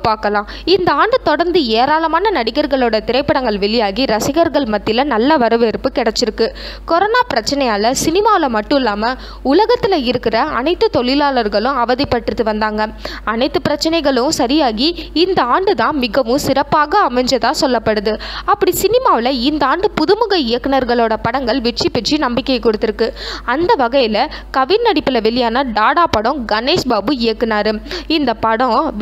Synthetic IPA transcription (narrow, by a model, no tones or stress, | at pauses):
paːɾkɐlãː | ɪnd̪ɐaːɳɖɯt̪ɔɽɐɾnd̪ɯeːɾaːlɐmaːnɐnɐɽɪɣɐɾɣɐɭoːɽɐt̪ɪɾɐɪpːɐɽɐŋɡɐɭʋɛɭɪjaːɣiɾɐsɪɣɐɾɣɐɭmɐt̪ːɪlɐnɐlːɐʋɐɾɐʋeɾɯpːɯkɪɽɐt͡ʃːɪɾɯkːɯ | kɔɾɔnaːpɪɾɐt͡ʃːɐnɛjaːlɐsɪnɪmaːʋɪlɐmɐʈːɯ̃ɪlːaːmɐ | ʊlɐɣɐt̪ːɪlɐɪɾɯkːɪɾɐɐ̰nɐɪt̪ːɯt̪ɔɭɪlaːlɐɾɣɐɭɯ̃ɐʋɐðɪpːɐʈːrɯt̪ːɯʋɐnd̪aːŋɡɐɐnɐɪt̪ːɯpɪɾɐt͡ʃːɐnɐɪɣɐɭɯɯ̃sɐɾɪjaːɣiɪnd̪ɐaːɳɖɯt̪ãːmɪɣɐʋɯ̃sɪɾɐpːaːɣɐːmɛɲd͡ʒɐðãːsɔlːɐpːɐɽɯðɯɐpːɐɽisɪnɪmaːʋɪlɐɪnd̪ɐaːɳɖɯpʊðɯmɐɣɐɪjɐkːɐnɐɾɣɐɭoːɽɐpɐɽɐŋɡɐɭʋɪʈt͡ʃːipːɛt͡ʃːinɐmbɪkʲːɐɪkːɔɽɯt̪ːɪɾɯkːɯɐnd̪ɐʋɐɣɐjɪlɐkɐʋɪnnɐɽɪpːɪlɐʋɪlːɪjaːnɐɖaːɽaːpɐɽɔ̃ɡɐneːʂbaːbɯɪjɐkːɯnaːɾɯɪnd̪ɐpɐɽɔ̃